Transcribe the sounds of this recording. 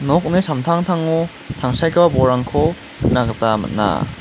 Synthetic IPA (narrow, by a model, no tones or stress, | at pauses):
nɔk̚nisamtʰaŋtʰaŋu | t̪ʰaŋsajkʰababɔɾaŋkʰɔ | mt̚naɡɐtama̰t̚na̰